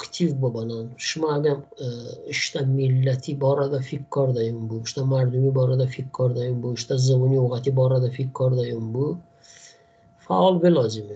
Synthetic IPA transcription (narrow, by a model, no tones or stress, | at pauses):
kt̪ʰivbɔbananʃʊmaːɡʲamɪʃt̪amɪlːat̪ʰɪbɒɾad̪afikʰːɒɾd̪ajʊmbʊɪʃt̪amaɾd̪ʊmibɒɾad̪afikʰːɒɾd̪ajʊmbʊɪʃt̪azɨbʊnioʁat̪ʰɪbɒɾad̪afikʰːɒɾd̪ajɔmbʊ | fa̰ɒlˠbelɒzɪmɪ